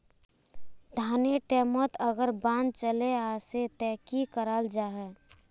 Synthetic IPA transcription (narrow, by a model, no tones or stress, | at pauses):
d̪ʱaːneʈɛːmət̪əɡəɾbãːnd̪̚t͡ʃəleaːset̪ɛːkikəɾaːld͡ʒaːɦɛː